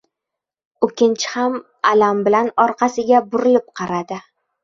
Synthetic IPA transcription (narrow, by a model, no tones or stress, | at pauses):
ʊkʲːɪnt͡ʃʰɪ̥ham | alambɪlanɒɾqʰɑsɪɡʲabʊɾɪlɪp̚qʰɑɾad̪ɪ